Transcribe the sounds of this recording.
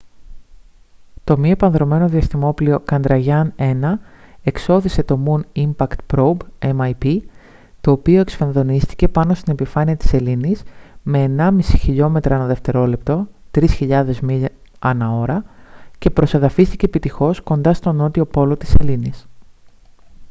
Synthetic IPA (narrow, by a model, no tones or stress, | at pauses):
t̪o̞miepɐnðɾo̞me̞no̞ðiɐst̪imo̞plio̞kɐnd̪ɾɐʝɐne̞nɐe̞kso̞θise̞t̪o̞munimpɐkt̪pɾobemɐjpi | t̪o̞ːpio̞e̞ksfɐnðo̞nist̪i̥ce̞pɐno̞st̪ine̞pifɐniɐt̪i̥se̞linisme̞ːnɐmisi̥çiʎo̞me̞t̪ɾɐɐnɐðe̞ft̪e̞ɾo̞le̞pt̪o̞t̪ɾisçiʎɐðe̞zmi | ɐnɐo̞ɾɐce̞pɾo̞seðɐfist̪iceːpit̪ixo̞sko̞nd̪ɐst̪o̞no̞t̪io̞po̞lo̞t̪i̥se̞linis